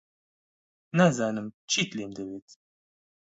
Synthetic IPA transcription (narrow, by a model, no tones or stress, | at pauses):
nazaːnɨmt͡ʃʰiːt̪leːmd̪ɐweːt̪